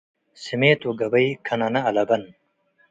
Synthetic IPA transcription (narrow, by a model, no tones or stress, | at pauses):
simeːt̪oɡɐbɐjkʰɐnɐnɐːlɐbɐn